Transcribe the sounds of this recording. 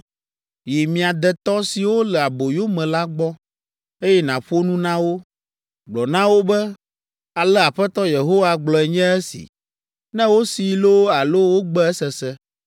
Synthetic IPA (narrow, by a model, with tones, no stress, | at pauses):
ji˨mĩ˨a˨d̪ɛ˨t̪ɔ˦si˨wo˦lɛ˨a˨bo˨jo˦mɛ̃˨la˦ɡ͡bɔ˦ | e˦jɛ˦nã˨ɸo˦nũ˦nã˦wo˦ | ɡ͡blɔ˨nã˦wo˦bɛ˦ | a˨lɛ˦a˨ɸɛ˦t̪ɔ˦je˨ɦo˦wa˦ɡ͡blɔ˨ɛ˨ɲɛ̃˦ɛ˦sḭ˨ | nɛ̃˦wo˦si˨lo˦a˨lo˦wo˦ɡ͡bɛ˦ɛ˦sɛ˨sɛ˦